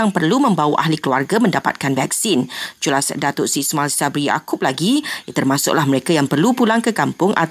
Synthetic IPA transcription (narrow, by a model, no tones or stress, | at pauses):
aŋpərlumə̃mbawəʔa̰ɦlikluarɡamə̃ndapa̰t̪̚kanvak̚sind͡ʒulasdat̪ʊʔsismalsabɾija̰kʊp̚laɡit̪ərmãsʊ̰ʔ̚lahməɾekajaŋpərlupulaŋkəkampʊŋʔa̰